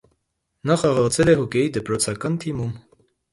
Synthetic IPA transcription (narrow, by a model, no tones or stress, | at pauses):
nɑχɑʁɑʁt͡sʰɛlɛɦɔkɛjid̪əpɾɔt͡sʰɑkɑnt̪ʰimum